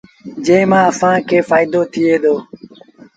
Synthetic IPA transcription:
d͡ʒẽːmãːəsãːkʰeːfaːɪd̪oːt̪ʰɪeːd̪oː

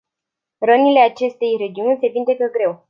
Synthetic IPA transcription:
rənile̞at͡ʃe̞st̪e̞jre̞d͡ʒiunʲse̞vind̪e̞kəɡɾe̞w

